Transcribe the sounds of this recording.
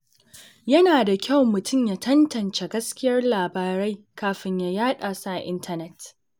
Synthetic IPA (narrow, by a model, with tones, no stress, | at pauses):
jɐ˦naː˨da˨kʲa˦˨wmʊ˨tʊ˦˨mjaː˦tʰɐ˦ntɐ˨nt͡ʃe˨ɡɐ˦skʲɪ˦jɐ˦rlaː˨baː˨ɾɐ˦j | kaː˨ɸɪ˦ɲja˨jaː˦ɗaː˨sa˦ʔa̰˨ʔɪ̰˦ntʰɐ˦nɛ˦t